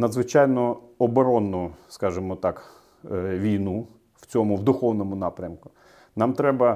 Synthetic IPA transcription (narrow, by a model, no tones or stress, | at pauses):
nɐd̪zʋɪt͡ʃɑjnɔɔbɔɾɔnːʊskɑʒemɔt̪ɑk | ʋʲijnu | w̥t͡sʲɔmʊwd̪ʊxɔwnɔmʊnɑpɾʲɐmkʊ̥ | nɑmt̪ɾɛbɐ